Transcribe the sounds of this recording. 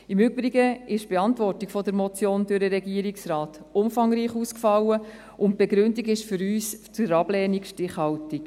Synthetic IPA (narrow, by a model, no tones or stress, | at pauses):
ɪmʏbɾiɡəɪʃb̥eɑntʋɔrtikfɔdəɾmɔt͡sjoːndøɾdəɾɛɡiəɾiksrɑːt | ʊmfɑŋɾiːχuːskfɑlːə | ʔʊnt̚b̥ɛɡɾʉndiɡɪʃfʏɾyːst͡sʊɾɑb̥lɛːnikʃtɪχhɑltik